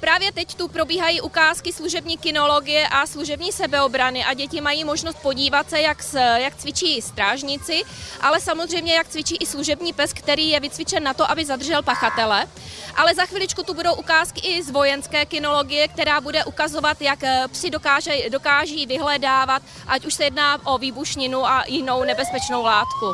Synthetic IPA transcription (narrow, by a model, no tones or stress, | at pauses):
pɾaːvjɛt̪ɛct̪upɾo̞biːɦajiːʔukaːskɪsluʒɛbɲiːkɪno̞lo̞ɡɪjɛʔasluʒɛbɲiːsɛbɛo̞bɾanɪʔaɟɛcɪmajiːmo̞ʒnost̪̚po̞ɟiːvat̪sɛjaksjakt͡svɪt͡ʃiːst̪ɾaːʒɲɪt͡sɪʔa̰lɛsamozr̝ɛjmɲɛjak̚t͡svɪt͡ʃiːʔɪsluʒɛbɲiːpɛskt̪ɛɾiːjɛvɪt͡svɪt͡ʃɛnːat̪o̞ʔabɪzad̪r̩ʒɛlpaxat̪ɛlɛ | ʔalɛzaxviːlɪt͡ʃkut̪ubudo̞wʔukaːskɪʔɪzvo̞jɛnskɛːkɪno̞lo̞ɡɪjɛk̚t̪ɛɾaːbudɛʔukazo̞vat̪jakpsɪdokaːʒɛdo̞kaːʒiːvɪɦlɛdaːvat̪ | ʔacuʃsɛjɛdnaːʔo̞viːbuʃɲɪnuʔajɪno̞wnɛbɛspɛt͡ʃno̞wlaːt̪ku